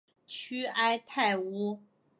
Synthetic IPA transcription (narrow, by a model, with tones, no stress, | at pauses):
t͡ɕʰy˥a˥ɪt̪ʰa˥˩ɪu˥